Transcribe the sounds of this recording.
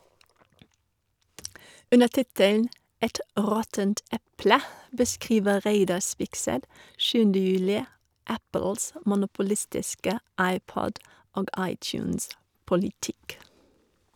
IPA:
ˈʔʉnə ˈtɪtəln̩ ˈʔɛt ˈʁɔtənt ˈɛplə bəˈskʁiːʋə ˈʁeɪdɑ ˈspɪksɛt ˈʃʉːəndə ˈjʉːlɪ ˈʔæpl̩s ə mʊnʊpʊˈlɪstɪskə ˈɑɪˌpɔd ˈoːɡ ˈʔɑɪcˌjʉːns pɔlɪˈtɪk

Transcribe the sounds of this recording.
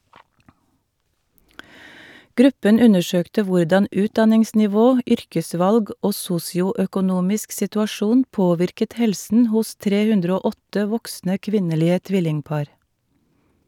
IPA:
ˈɡɾʉpən ˈʉnəˌʃøːktə ˈʋʊɖɑn ˈʉːtdɑnɪŋsnɪˌʋoː ˈʏɾkəˌsʋɑlɡ ˈoː ˈsuːsɪʊœkʊˌnuːmɪsk sɪtʉɑˈʃuːn ˈpoːʋɪɾkət ˈhɛlsən ˈhʊs ˈtɾeː ˈhʉndɾə ˈoː ˈɔtə ˈʋɔksnə ˈkʋɪnəˌliːə ˈtʋɪlɪŋˌpɑːɾ

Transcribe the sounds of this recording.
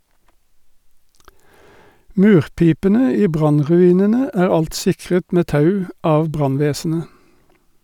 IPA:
ˈmʉːʁˌpiːpənə ˈiː ˈbʁɑnʁʉˌiːnənə ˈæːʁ ˈɑlt ˈsɪkʁət ˈmeː ˈtɑʉ ˈɑːʋ ˈbʁɑnˌʋeːsn̩ə

